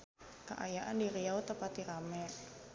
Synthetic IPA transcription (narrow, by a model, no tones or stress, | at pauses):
ka̰ʔajaʔandiɾiaut̪əpat̪iɾamɛ